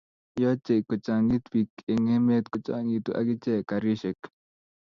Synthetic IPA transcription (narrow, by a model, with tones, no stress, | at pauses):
jɔ˦t͡ʃe˨kːɔ˨t͡ʃa˨ŋi˦t̪wi˨ke˨ŋe˦me˦t̪kʊ˨t͡ʃa̰˨ŋi˨t̪u˨ʔa̰˨ki˦t͡ʃɛ˦˨ka˨ɾi˦ʃɛ˨k